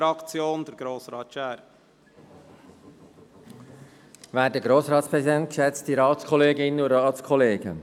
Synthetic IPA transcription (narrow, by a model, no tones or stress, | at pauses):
ɾɑkt͡sjoːnd̥̪ɛɾɡɾoːsɾɑːt̪ʃæːɾ | væːdəɡɾoːsɾɑːtspɾɛsidɛnt̚kʃɛt͡stiɾɑːtskʰɔleːɡɪnəʊɾɑːtskʰɔleːɡə